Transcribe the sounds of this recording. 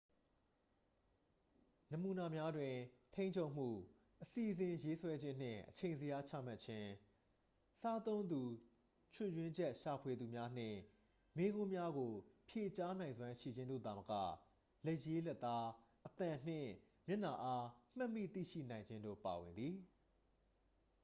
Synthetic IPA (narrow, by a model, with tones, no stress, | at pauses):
nə˨mu˨na˨mja˦dwɪ̃˨tʰẽ˦ɪ̃ɲt͡ɕʰo˦˨m̥ṵ˦˨ | ʔəsi˨ʔzɪ̃˨je˦swɛ˦d͡ʑɪ̃˦n̥ɪ̰̃˦˨ʔət͡ɕʰẽ˨ɪ̃nzəja˦t͡ɕʰä̰˦˨ma˦tt͡ɕʰɪ̃˦ | sa˦t̪õ˦ʊ̃nd̪u˨ | t͡ɕʰʊ˦˨jwɪ̃˦ɲd͡ʑɛ˦ʔʃa˨pʰwe˨d̪u˨mja˦n̥ɪ̰̃˦˨ | me˦ɣʊ̃˦mja˦ɡo˨pʰje˨t͡ɕa˦nã˨ɪ̃nzwã˦ʃḭ˦˨d͡ʑɪ̃˦nd̪o̰˦˨d̪a˨məka̰˦˨ | le˦ʔje˦lɛ˦ʔt̪ːa˦ʔət̪ã˨n̥ɪ̰̃˦˨ | mjɪ˦˨na˨ʔa˦m̥ã˦˨mːḭ˦˨t̪ḭ˦˨ʃḭ˦˨nã˨ɪ̃ɲd͡ʑɪ̃˦ndo̰˦˨pa˨wɪ̃˨nd̪ði˨